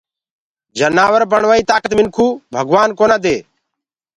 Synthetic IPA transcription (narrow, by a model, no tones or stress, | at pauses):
d͡ʒənaːʋəɾbəɳʋaːiːt̪aːkət̪mɪnkʰuːbʱəɡʋaːnkoːnãːd̪eː